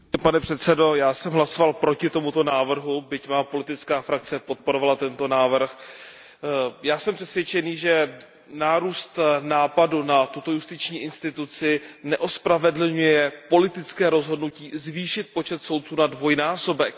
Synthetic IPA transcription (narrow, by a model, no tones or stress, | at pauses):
panɛpr̝̥ɛt̪sɛdo̞jaːsɛmɦlaso̞valpɾo̞cɪt̪o̞mut̪o̞naːvr̩ɦubɪcmaːpo̞lɪt̪ɪt͡skaːfɾak̚t͡sɛpo̞t̪̚po̞ɾovalat̪ɛnt̪o̞naːvr̩x | jaːsɛmpr̥ɛsvjɛt͡ʃɛniːʒɛ | naːɾuːst̪naːpadunat̪ut̪o̞just̪ɪt͡ʃɲiːʔɪnst̪ɪt̪ut͡sɪnɛʔo̞spɾavɛdl̩ɲujjɛpo̞lɪt̪ɪt͡skɛːɾo̞zɦo̞dnuciːzviːʃɪt̪̚po̞t͡ʃɛt̪so̞wt̪̚t͡suːnadvo̞jnaːso̞bɛk̚